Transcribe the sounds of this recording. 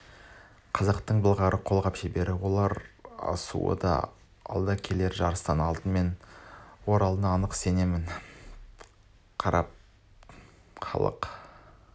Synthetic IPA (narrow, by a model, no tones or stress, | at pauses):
qʰɑzɑqt̪əɴbəlˠʁɑɾəqʰo̞lˠʁɑpʒɪbe̞ɾɪwo̞lˠɑɾɑ̰sṵə̰d̪ɑ̰ | ɑ̰lˠd̪ɑkʲʰe̞le̞ɾʒɑɾəst̪ɑnɑlˠt̪ənme̞nwo̞ɾɑlˠənɑːnəqse̞ne̞mɪn | qʰɑɾɑ̰p̚ | χɑ̰lˠə̰q